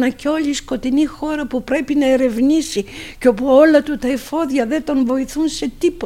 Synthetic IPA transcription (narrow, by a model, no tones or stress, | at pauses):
nɐceo̞lisko̞t̪inixo̞ɾɐpupɾe̞pinɐe̞ɾe̞vnisiceo̞puo̞lɐt̪ut̪ɐefo̞ðʝɐðet̪o̞nvo̞iθunse̞t̪ipo